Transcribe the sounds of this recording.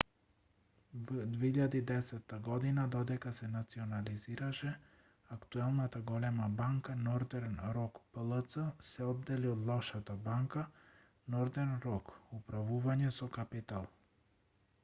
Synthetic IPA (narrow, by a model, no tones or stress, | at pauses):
vd̪vɛiʎad̪id̪ɛsɛt̪ːaɡɔd̪inad̪ɔd̪ɛkasɛnat̪siɔnaliziɾaʃɛ | akt̪uɛlˠnat̪aɡɔlɛmabaŋkanɔɾd̪ɛɾnɾɔkpəlˠət̪səsɛɔd̪ːɛliɔd̪lˠɔʃat̪abaŋka | nɔɾd̪ɛɾnɾɔkupɾavuvaɲɛsɔkapit̪alˠ